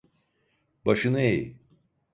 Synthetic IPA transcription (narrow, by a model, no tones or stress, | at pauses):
baʃɯnɯejḭ